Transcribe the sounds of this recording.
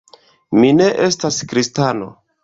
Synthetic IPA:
mine̞ʔe̞staskɾistano̞̰

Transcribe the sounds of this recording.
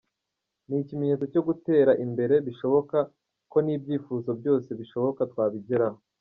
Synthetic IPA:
niːcimeɲet͡so̞co̞ɡute̞ːɾaʔimbe̞ɾe̞βiʃo̞βo̞ka | ko̞niːb̚ɟiːfuːzo̞b̚ɟo̞ːse̞βiʃo̞βo̞katwaːβiɟeɾaho

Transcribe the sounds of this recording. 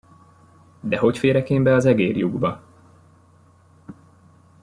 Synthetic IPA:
d̪ɛɦo̞cfeːɾɛkeːmbɛɒzɛɡeːrjuɡbɒ

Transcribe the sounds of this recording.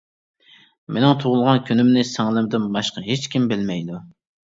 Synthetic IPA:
menɪŋt̪ʰoʁʊlˠʁɑnkʲynymnɪsæŋlˠɪmd̪ɪnbɑʃqɑɦet͡ʃkʲimbɪlmɛjd̪u

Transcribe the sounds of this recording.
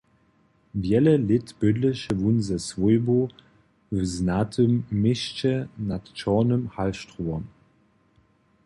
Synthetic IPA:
vjɛləlɪtb̥ʏdləʃəvunzəsvojbo | vznatʰəmːɪɕt͡ɕənatt͡ʃɔːnəmhalʃtʁuɔm

